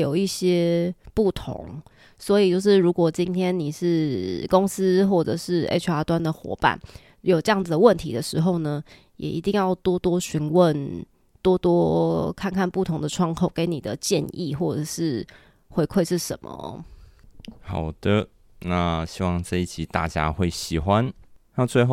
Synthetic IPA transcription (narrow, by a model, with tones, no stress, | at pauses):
jo˨˩ʊi˥˩ɕjɛ˥pu˥˩t̪ʰo̰˧˦ŋ | swɔ˧˥i˨˩t͡ɕjo˥˧ʊʂɻ̩˥˩ɻu˧˥kwɔ˨˩t͡ɕi˦˥nt̪ʰjɛ˥nni˨˩ʂɻ̩˥˩kʊ˦˥ŋs̩˥xwɔ˥˩ʈ͡ʂə̰˨˩ʂɻ̩˥˩ḛ˥ʈ͡ʂʰa˧˥t̪wa˦nd̪ə˨xwɔ̰˧˥pa̰˥˩n | jo˨˩ʊʈ͡ʂɤ˥jɑ˥˩ŋd͡z̩˩d̪ə˩wə˥˨nt̪ʰi˧˥d̪ə˨ʂɻ̩˧˥xo˥˧ʊnə˩ | jɛ̰˨˩ʔi˧˥t̪i˥˧ŋjɑ˥˩ʊt̪wɔ˥t̪wɔ˥ɕy˧˥nwə˥˨n | t̪wɔ˥t̪wɔ˥kʰa˥˧nkʰa˥˧npu˥˩t̪ʰʊ˧˥ŋd̪ə˨ʈ͡ʂʰwɑ˥ŋt̪ʰo˥˩ʊke˧˥ɪni˨˩d̪ə˦t͡ɕjɛ̰˥˧nḭ˥˨xwɔ˥˩ʈ͡ʂə˨˩ʂɻ̩˥˩ | xwe˧˥ɪkʰwe˥˧ɪʂɻ̩˥˩ʂə̰˨˧˦nmə̰˨˦ɔ̰˨˩ | xɑ˨˩ʊd̪̥ə˦ | na˥˧ɕi˥wɑ˥˧ŋʈ͡ʂɤ˥˧i˥˩t͡ɕʰi˨˥˦t̪a̰˥˩t͡ɕja̰˦xwe˥˩ɪɕi˨˩xwa˦nna˥˧t͡swe˥˧ɪxo˥˨